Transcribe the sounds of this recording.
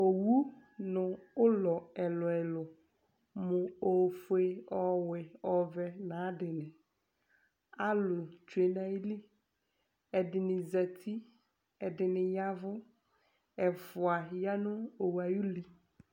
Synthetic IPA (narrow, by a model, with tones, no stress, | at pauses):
o˨wu˦nʊ̃˨ʊ˦lɔ˨ɛ˨lɔ˨ɛ˨lʊ˨ | mʊ̃˨o˨fʊ˨˦e˨ɔ˨wɪ˨ɔ˨vɛ˨nã˨˦dɪ˨nɪ̃˨ | a˦lʊ˨t͡ʃu˨e˨na˨i˦li˦ | ɛ˨dɪ˨nɪ˨za˨t̪ʰi˦ | ɛ˨dɪ˨nɪ̃˨ja˦vʊ˦ | ɛ˨fʊ˨a˨ja˦nʊ̃˦o˨wa˨ju˦li˨